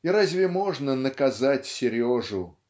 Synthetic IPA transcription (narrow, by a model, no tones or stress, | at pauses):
iɾazʲvʲɪmo̞ʐnənəkɐzatʲsʲɪɾʲɪoʐʊ